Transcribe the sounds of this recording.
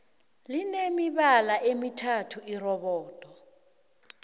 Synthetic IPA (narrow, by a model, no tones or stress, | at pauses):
linemiɓalaʔemitʰatʰuirɔɓɔːtʼɔ